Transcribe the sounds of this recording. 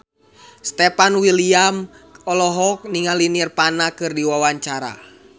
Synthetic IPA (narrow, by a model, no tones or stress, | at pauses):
st̪ɛpanwiliam | ɔlɔɦɔk̚niŋalinirpanakɨrdiwawaɲt͡ʃaɾa̰